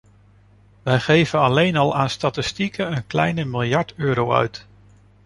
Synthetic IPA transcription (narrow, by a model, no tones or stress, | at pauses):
ʋɛjχejvəɑlejnɑlˠʔaːnstatɪstikəənklɛ̰jnəmɪlˠjɑɹtøːɾowœ̰ɥt